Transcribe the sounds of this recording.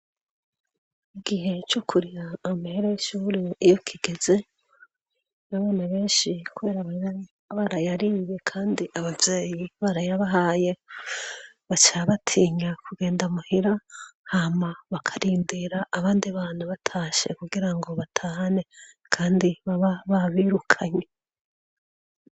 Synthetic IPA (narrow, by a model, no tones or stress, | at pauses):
iɡiɦe̞t͡ʃokʰuɾijaːmahiɾojeʃuːɾiijokʰiɡ̥e̞ze̞ | naβaːnaβe̞ːnʃikuβe̞ːɾaβaɲa | βaɾajaɾiβe̞kʰaːndiʔaβavjeːjiβaɾajaβaɦaje̞ | βat͡ʃaβatʰiːɲakuɡe̞ːndamuhiɾahamaβakʰaɾiːndiɾaʔːβaːndiβanuβatʰaːʃe̞̰kuɡiɾaŋɡo̞βatʰaːhane̞ | kʰaːndiβaβaβaβiːɾukʰaɲe̞